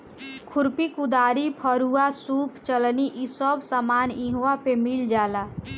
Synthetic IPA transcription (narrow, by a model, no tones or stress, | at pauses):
kʰʊɾpikud̪aːɾipʰəɾuasuːpt͡ʃəlniʔisɔbsamaːnĩɦuapemild͡ʒaːlaː